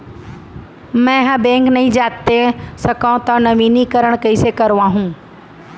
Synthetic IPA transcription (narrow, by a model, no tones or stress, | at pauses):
mɛ̃ɦãbẽːŋknɐɦĩd͡ʒaːt̪esɐkãt̪ɐ̃nɐʋiːnikɐɾəɽ̃kɐisekɐɾʋãɦũː